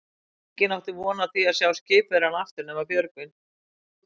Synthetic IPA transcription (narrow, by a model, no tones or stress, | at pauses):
cɪnawt̪ɪvɔːnat̪ʰiaðsjawscɪːpɾ̥anaft̪ɪɾnɛːmapjœɾkɪn